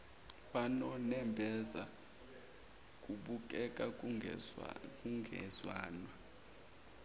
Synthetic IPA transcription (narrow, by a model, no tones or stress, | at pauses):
ɓanɔnɛmbʱɛza̰ | k̬ʼuɓuk̬ʼɛk̬ʼa | k̬ʼuŋɡʱɛ̰zwa̰ːnwa